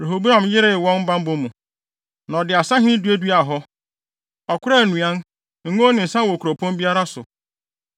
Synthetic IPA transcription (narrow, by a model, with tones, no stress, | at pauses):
ɾe˨ɦo˨bu˦ɾã˨mjɪ˦ɾɪ˦wɔ̃˦n̩˦bã˦m̩˦bʊ̃˦mũ˨ | nã˨dɪ˨a˨sa˦ɦɪ̃˦du˦e˦du˦a˨ɦɔ˦ | ɔ˨kʰʷʊ˦ɾa˦˨nũ˨ã˦n | ŋ̩˦ŋõ˦nɪ̃˨n̩˨sã˦wo˨kʰɾo˨pʰõ˦n˦bi˦a˦ɾa˦sʊ̰˨